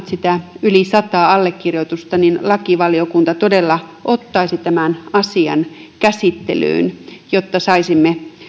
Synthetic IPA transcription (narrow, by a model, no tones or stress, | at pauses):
t̪sit̪æylisɑt̪ɑːɑlːekːirjot̪ust̪ɑninlɑkiʋɑliokunt̪ɑt̪odelːɑʔot̪ːɑisit̪æmænɑsiɑ̰nkæsit̪ːḛly̰ːnjot̪ːɑsɑisimːe